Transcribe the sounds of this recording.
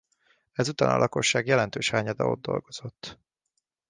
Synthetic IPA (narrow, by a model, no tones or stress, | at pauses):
ɛzut̪aːnɒ̰lʔɒko̞ʃːaːɡjɛlɛnt̪øːʃhaːɲɒd̪ɒ̰o̞̰d̪̚ːo̞̰lɡo̞z̥o̞t̪ː